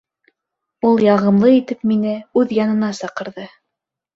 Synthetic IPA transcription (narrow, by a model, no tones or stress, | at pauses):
ulˠjɑʁɤ̆mlˠɤit̪ɘpminɘʉðjɑnɤ̆nɑsɑqɤ̆ɾðɤ